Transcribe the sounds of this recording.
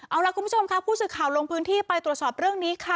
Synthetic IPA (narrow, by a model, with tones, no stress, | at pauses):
ʔa˧wla˧˦˥kʰu˧˦pʰu˥t͡ɕʰo˧mkʰa˦˥pʰuː˥˩sɯː˨˩kʰːaː˨˩wlo˧ŋpʰɯː˦˥nt̪ʰiː˥˩pa˧jt̪ɾu˨˩t̪̚sɔː˨˩p̚ɾɯ˥˩əŋniː˦˥kʰa˥˩